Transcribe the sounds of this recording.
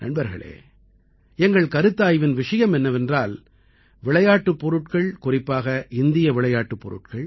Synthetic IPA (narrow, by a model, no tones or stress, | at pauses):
nɐ̰nbɐɾɣɐ̰ɭḛː | ɛŋɡɐɭkɐɾɯt̪ːaːjʋɪnʋɪʂɐjɐmɛnːɐʋɛndraːl | ʋɪɭɐjaːʈːɯpːɔɾɯʈkɐɭkʊrɪpːaːɣɐʔɪnd̪ɪjɐʋɪɭɐjaːʈːɯpːɔɾɯ̰ʈ̚kɐɭ